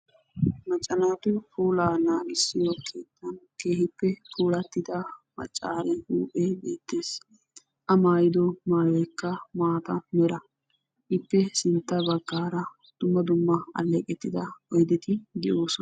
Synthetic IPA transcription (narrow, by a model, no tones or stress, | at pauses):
mɐt͡ʃʼːɐnaːt̪ʊpuːlaːnaːɡɪsːɪjoːkʰeːt̪ːɐnke̞ːhɪpːɛpuːlɐt̪ːɪd̪ɐmɐ̰t͡ʃʼːaːɾɛhuːpʼebeːt̪ːe̞ːs | ʔɐmaːjɪd̪ɔmaːjɔjkːɐmaːt̪ɐmɛɾɐ | ʔɪpːɛsɪnt̪ːɐbɐɡːaːɾɐ | d̪̥ʊmːɐd̪ʊmːɐɐ̰lːɛkʼɛt̪ːɪd̪ɐɔjd̪ɪt̪ɪɡ̪ɪʔoːsɔ